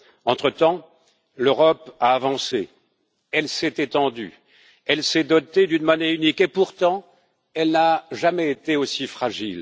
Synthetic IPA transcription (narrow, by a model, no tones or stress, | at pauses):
ɑ̃t̪χət̪ɑ̃ | løʁɔpaːvɑ̃se | ɛlsɛt̪et̪ɑ̃d̪y̰ | ɛlsɛd̪ɔt̪ed̪ynmɔnɛynikepuʁt̪ɑ̃ | ɛlnaʒamɛet̪eosifχaʒil